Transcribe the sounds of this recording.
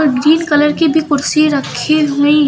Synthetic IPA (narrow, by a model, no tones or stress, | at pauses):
ɾbɾiːlkɐləɾkibʱikʊɾsiɾəkʰeɦui